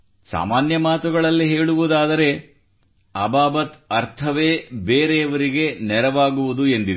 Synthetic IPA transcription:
sa̰ːmaːnjɐmaːt̪uɡɐɭɐlːiɦe̞ːɭuʋud̪aːd̪ɐɾe̞ | ɐbaːbɐt̪ɐɾt̪ʰɐʋeːbeːɾeɐʋɐɾiɡe̞nɛɾɐʋaːɡuʋud̪ue̞nd̪i

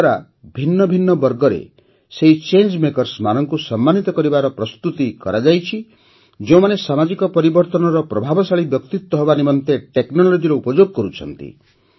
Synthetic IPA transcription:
aɾa | bʱinːɔbʱinːɔbɔɾɡɔɾḛ | seɦit͡ʃend͡ʒmekɔɾsmanɔŋkusɔmːanit̪ɔkɔɾibaɾɔpɾɔst̪ut̪ikɔɾad͡ʒajt͡ʃʰi | d͡ʒeũmanesamad͡ʒikɔpɔɾibɔɾt̪ɔnɔɾɔpɾɔbʱabɔsaɭibjɔkt̪it̪wɔɦɔbanimɔnt̪eʈeknɔlod͡ʒiɾɔupɔd͡ʒoɡɔkɔɾut͡ʃʰɔ̰nt̪ḭ

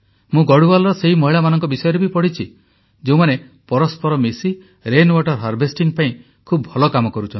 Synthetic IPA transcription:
mũɡɔɽubalɔɾɔseɦimɔɦiɭamanɔŋkɔbisɔjɔɾebipɔɽit͡ʃʰi | d͡ʒeũmane | pɔɾɔspɔɾɔmisi | ɾenwaʈɔɾɦaɾbʱesʈiŋpaĩ | kʰubbʱɔlɔkamɔkɔɾut͡ʃʰɔni

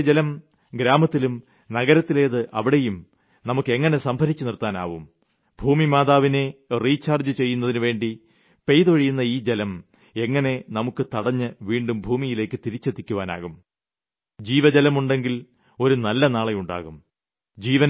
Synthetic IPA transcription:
d͡ʑelɐm | ɡɾaːmɐt̪ːilum | nɐɣɐɾɐt̪ːile̞ːðɨʔɐʋiɽe̞jum | nɐmukːɨeŋːɐne̞sɐmbʱɐɾit͡ɕːɨnirt̪ːaːna̰ːʋum | bʱuːmimaːðaːʋine̞riːt͡ɕːaːrd͡ʑɨt͡ɕe̞jːunːɐðinɨʋe̞ːɳɖi | pe̞jðoɻijunːɐiːd͡ʑelɐm | e̞ŋːɐne̞nɐmukːɨt̪ɐɽɐɲːɨʋiːɳɖumbʱuːmijile̞ːkːɨt̪iɾit͡ɕːɐt̪ːikʲːuʋaːna̰ːɣum | d͡ʑiːʋɐd͡ʑɐlɐmuɳɖe̞ŋɡil | o̞ɾunɐlːɐnaːɭejuɳɖa̰ːɣum | d͡ʑiːʋɐn

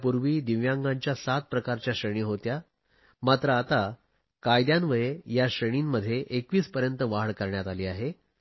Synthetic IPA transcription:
puɾʋiːd̪iʋjãŋɡaɲt͡ɕjasat̪̚pɾəkaɾt͡ɕjaɕəɽ̃iːɦot̪ja | mat̪ɾəaːt̪a | kajd̪jãnʋəjejaɕəɽ̃iːmːəd̪ʱːjeʔekʋiːt͡spəɾjənt̪əʋaɭkəɾɳjat̪aliːaɦe

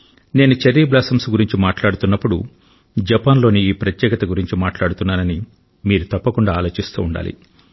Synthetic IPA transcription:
ne̞ːnut͡ʃɐɾːiːblaːsɐmsuɡuɾiɲt͡ʃimaːʈlaːɽut̪unːɐpːuɽu | d͡ʒɐpaːnlo̞ːniiːpɾɐt̪jɛːkɐt̪ɐɡuɾiɲt͡ʃimaːʈlaːɽut̪unːaːnɐni | miːɾut̪ɐpːɐkuɳɖaːlo̞ːt͡ʃist̪ṵːɳɖa̰ːlḭ

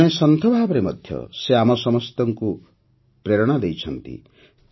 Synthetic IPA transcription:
ẽsʌnt̪ʰɔbʱabʌɾemʌd̪ʱjʌ̰seamʌsʌmʌst̪ɔŋku | preɾɔɽ̃ad̪ejt͡sʰʌnt̪ḭ

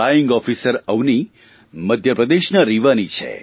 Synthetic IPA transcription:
ajiŋɡɔfisəɾəʋni | məd̪ʱjəpɾəd̪eʃnaɾiʋanit͡ʃʰḛ

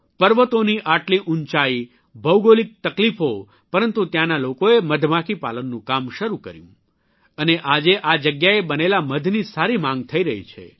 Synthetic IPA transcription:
pəɾʋət̪oniʔaʈliʔunt͡ʃai | bʱəwɡolik̚t̪əklifo | pəɾənt̪ut̪janalokoeməd̪ʱmakipa̰lənːũkamʃəɾukə̰ɾjṵ̃ | əneʔad͡ʒeʔad͡ʒəɡjaebənelaməd̪ʱnisaɾimãŋɡ̚t̪ʰəiɾəɦḭt͡ʃʰḛ

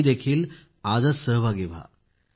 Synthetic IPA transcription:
d̪ekʰiːl | ad͡zasəɦbʱaɡeʋa̰

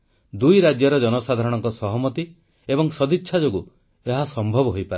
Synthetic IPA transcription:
d̪ujɾad͡ʒjɔɾɔd͡ʒɔnɔsad̪ʱaɾɔɽ̃ɔŋkɔsɔɦɔmɔt̪i | ebɔŋsɔd̪ʱitːʃʰad͡ʒoɡu | eɦasɔmbʱɔbɔɦojpaɾ

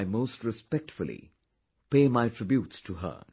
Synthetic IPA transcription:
ɪmoːstɹɪspɛk̚ʈfʊl̩ˠḭ | peːmaɪtʰɹ̥ɪbjuːtstʰuɦə̰

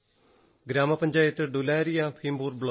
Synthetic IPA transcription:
ɡɾaːmaːpəɲʲd͡ʒaːɪt̪ɖʊlɛːɾijãːpʰiːmboːɾbɭo

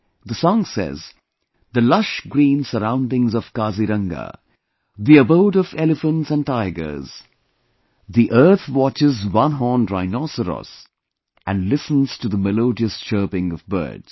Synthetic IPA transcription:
ðəsɔ̃ŋsɛ̰z | ðəlʌʃɡɾĩːnsəɾãʊ̃ndɪ̃ŋzʌv̥kaziɾʌ̃ŋɡə̰ | ðiəboʊɾʌvɛlɨfə̃ntsə̃ntaɪɡə̰˞z̥ | ðiʔɜ˞t̪wɑt͡ʃɪzwʌ̃nɦɔndɹaɪnɔsəɾɔ̰s | ʔɨ̃nlɪsə̃n̩z̥tɨðəmɛloʊdiɨsʃɜːpɪ̃ŋʌvbɜ̰ːdz̥

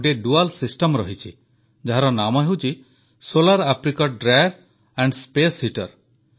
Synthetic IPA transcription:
ɖeɖualsisʈɔmɾɔɦit͡ʃʰi | d͡ʒaɦaɾɔnamɔɦewt͡ʃʰi | solaɾapʰɾikɔɖɾajɾ | aɳɖspeshiʈɔɾ

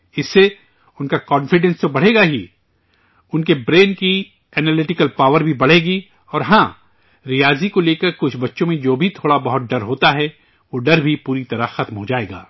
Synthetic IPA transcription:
ɪsːe | ʊnkakɔːnfɪɖɛ̃nst̪obɐɽ̤eːɡaɦi | ʊnkebɾeːnki | ɛːnɛlɪʈɪkəlpaːʋəɾbʱibɐɽ̤eːɡi | ɔːɾɦãː | ɾijaːzikoleːkəɾkʊt͡ʃʰbɐtːʃõmẽd͡ʒoːbʱit̪ʰoːɽabɐɦʊt̪̚ɖɐɾɦoːt̪aɦɛ | ʋoɖɐɾbʱipuːɾit̪ɐɾaxɐt̪mɦod͡ʒaːeːɡa̰ː

